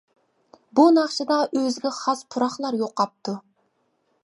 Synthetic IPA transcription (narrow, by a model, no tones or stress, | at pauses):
bunɑχʃɨd̪ɑʔøzɡʲɪχɑspʰuɾɑχlˠɑɾjoqɑp̚t̪ʰu